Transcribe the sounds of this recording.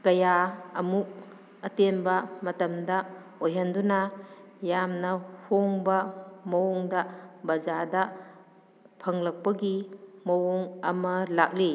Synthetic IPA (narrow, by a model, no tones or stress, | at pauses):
kɐjaɐmuk̚ | ɐtembɐmɐtɐmdɐ | ojɦɐndunajamnɐhoŋbɐmɐwɔŋdɐbɐzadɐ | pʰɐŋlɐk̚pɐɡimɐwuŋɐmɐlak̚li